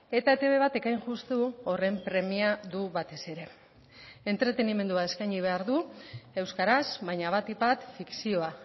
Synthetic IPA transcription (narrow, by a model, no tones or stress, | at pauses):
e̞t̪aet̪e̞βe̞βat̪e̞kajŋʝust̪uore̞mpɾe̞miaðuβat̪e̞se̞ɾe̞ | ent̪ɾe̞t̪e̞nime̞nd̪uaeskajɲiβ̞e̞aɾðue̞wskaɾasβajɲaβ̞at̪ipat̪fiksio̞a